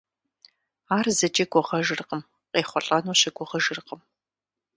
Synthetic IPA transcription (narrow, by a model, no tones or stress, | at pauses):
aːrzɐt͡ʃʼeɡʷʼɔʁɐʒɨrqəm | qʼeːχʷɔɬʼɐnuːɕɐɡʷʼɔʁɐʒɨrqəm